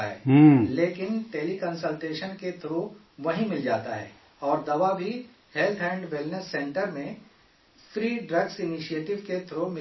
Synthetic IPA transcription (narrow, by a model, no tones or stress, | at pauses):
ɦɛ̰ːleːkɪnʈeːlikə̃nsəlʈeːʃənket̪ʰɾo | ʋɐɦĩmɪld͡ʒaːt̪aɦɛ̰ː | ɔːɾd̪ɐʋabʱi | helt̪ʰɦɛ̃ːɳɖʋɪlnəsːɛ̃ɳʈəɾmẽ | fʰɾiːɖɾɐɡsɪniʃieːʈɪʋket̪ʰɾomɪ